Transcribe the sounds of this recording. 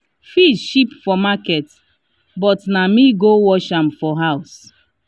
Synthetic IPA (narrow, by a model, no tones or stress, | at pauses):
fiʃipfɔmakɛt | bɔtnamiɡowɔʃãmfɔɦaʊs